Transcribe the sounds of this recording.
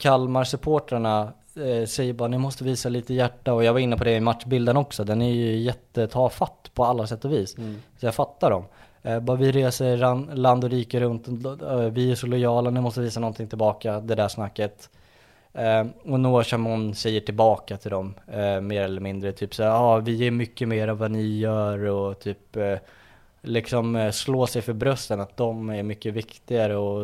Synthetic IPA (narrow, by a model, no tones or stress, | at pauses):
kʰalmaɾsɵpʰoːʈɾaɳa | sɛjːəɾbɑːɾanɪmɔst̪əviːsaliːt̪əjæʈːaɔjɑːɡvaɾɪnːəpʰɔd̪ɛɪmat̪ʂbɪld̪ənɔksɔd̪ɛnæjɵjɛt̪ːət̪ʰɑːfat̪ːpʰɔalːasɛt̪ːɔviːssɔjaːfat̪ːaɖɔm | bɑɾvɪɾeːsəɾanland̪ɔɾiːkəɾɵnt̪vɪæʂɔlɔjɑːlanɪmɔst̪əviːsanɔnt̪ʰɪŋt̪ɪlbɑːkad̪ɛd̪æːʂnakːət̪ | ɔnoːʂamɔnːsɛjːəʈʰɪlbɑːkat̪ʰɪld̪ɔmːeːɾɛlːəɾmɪnd̪ɾət̪ʰyːpsaːɾɑːvɪjeːɾmʏkːəmeːɾavːanɪjœːɾɔt̪ʰyːp | lɪksɔmsloːsɛjfœɾbɾœst̪ənat̪̚d̪ɔmæɾmʏkːəvɪkt̪ɪɡaɾəɔ